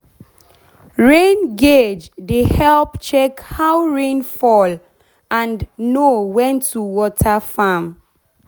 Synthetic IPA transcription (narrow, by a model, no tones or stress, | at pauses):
ɹẽnɡed͡ʒdehɛlpt͡ʃɛkhawɹẽnfɔl | ãnnowɛ̃ntʰuwɔtʰafam